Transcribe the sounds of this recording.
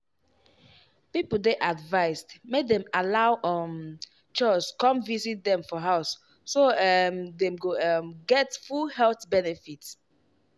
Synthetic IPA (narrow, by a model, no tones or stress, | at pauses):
pipl̩deʔadvaɪstmedɛ̃malaʊʔɔm | t͡ʃɔskɔ̃mvizit̚dɛ̃mfɔɦaʊsː | omdɛ̃mɡomɡɛtfulhɛlθbɛnɛfits